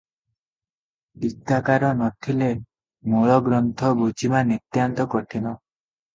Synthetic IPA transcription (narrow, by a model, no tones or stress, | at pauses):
d̪it̪akaɾɔnɔt̪ʰile | moɭɔɡɾɔnt̪ʰɔbud͡ʒimanit̪jant̪ɔkɔʈʰinɔ